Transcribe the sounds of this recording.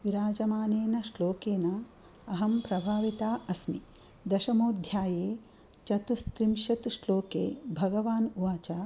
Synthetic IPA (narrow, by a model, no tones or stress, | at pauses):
ʋiɾaːd͡ʒɐmaːneːnɐʂloːkeːnɐ | ɐɦɐmpɾɐbʱaːʋit̪aːɐsmi | d̪ɐʃɐmoːd̪ʱjaːjeː | t͡ʃɐt̪ust̪ɾimʃɐt̪uʃloːkeːbʱɐɡɐʋaːnuʋaːt͡ʃaː